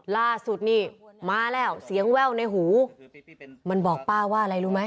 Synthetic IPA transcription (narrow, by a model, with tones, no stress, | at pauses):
laː˥˩su˨˩t̪̚niː˥˩maː˧lɛː˧˥˩wsi˩˦əŋwɛː˧˥˩wna˧jɦuː˩˦ | ma˧nbɔː˨˩k̚paː˥˩waː˥˩ʔa˧la˧jluː˦˧˩ma˦˥j